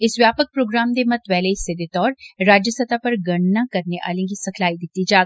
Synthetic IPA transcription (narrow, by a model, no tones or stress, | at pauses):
ɪsʋjaːpək̚pɾoːɡɾaːmd̪emɐt̪ʋɛːlesɪd̪et̪ɔːɾɾaːd͡ʒjəsɐt̪apɐɾɡɐɽ̤̃nakɐɾneʔa̰ːlẽɡisɐkʰlaːid̪ɪt̪ːid͡ʒaːɡ